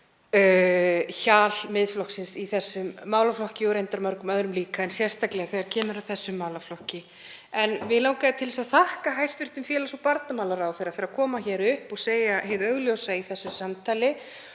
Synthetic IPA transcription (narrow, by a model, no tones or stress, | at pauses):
çaːlmɪðflɔksɪnsiθɛsːʏmːaːwlaflɔhcɪɔɣɾejnt̪aɾmœɾkʏmœðɾʏmliːkaɛnsjɛr̥st̪aklɛɣaθeɣaɾcʰɛːnʏɾawθɛsːʏmːaːwlaflɔhcɪ | ɛnvɪðlaːwkaðɪt̪ʰɪlsaðθahkaɦajst̪vɪr̥t̪ʏmfjɛːlasɔpaɾt̪namaːwlaɾawθejɾafɪɾakʰɔːmaçɛɾʏhpɔɣseːjaɦeðœɣljowsaiθɛsːʏsamt̪ʰajlɪ